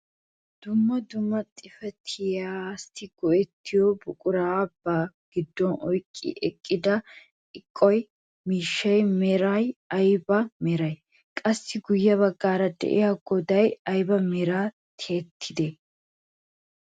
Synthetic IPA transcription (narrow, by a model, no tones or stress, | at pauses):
d̪̥ʊmːɐd̪ʊmːɐt̪ʼɪfɛt̪ʰɪjast̪ɪɡ̥ɔʔɛt̪ːɪjɔbʊkʼʊɾaːbːaː | ɡ̥ɪd̪ːɔnɔjkʼːɪ̰ʔɛkʼːɪd̪ɐ | ɪkʼːɔj | miːʃːɐjmɛɾɐjɐjbɐmɛɾɐj | kʼɐsːɪɡʊjːɐβɐɡːaːɾɐd̪ɛ̰ʔɪ̰jaɡɔd̪ɐjɐjbɐmɛɾaː | t̪ʰe̞ːt̪ʰːɪd̪e